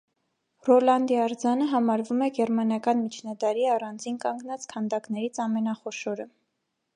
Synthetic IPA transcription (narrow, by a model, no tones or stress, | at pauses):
rɔlɑnd̪iɑɾd͡zɑnəɦɑmɑɾvumɛɡɛɾmɑnjɑkɑnmit͡ʃʰnɑd̪ɑɾiɑrɑnd͡zinkɑŋɡnɑt͡skʰɑnd̪ɑknɛɾit͡sʰɑmɛnɑχɔʃɔɾə